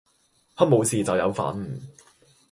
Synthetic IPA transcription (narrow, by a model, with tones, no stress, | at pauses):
hɐ˥t̚mo˨˧wsiː˨t͡sɐ˨wjɐ˨˧wfa̰ː˨˥nm̩˨˩